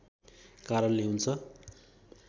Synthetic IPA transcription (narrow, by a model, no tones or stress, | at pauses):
kaɾʌnleɦunt͡sʰʌ